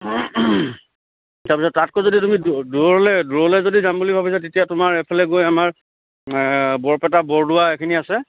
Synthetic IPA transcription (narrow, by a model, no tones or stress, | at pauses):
taɹpisɔtːatkozoditumiduɹɔɔlɛduɹɔlɛzodizambulibʱabisatetijatʊmaɹɛpʰɛlɛɡojamaɹ | bɔɹpɛtabɔɹdʊaekʰiniasɛ